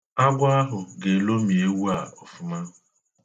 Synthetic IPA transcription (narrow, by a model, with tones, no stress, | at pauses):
a˦ɡʷa˦a˦ɦʊ˨ɡe˨lo˦mi˨e˦wu˦a˨ɔ˨fʊ˦ma˦ɦʊ˨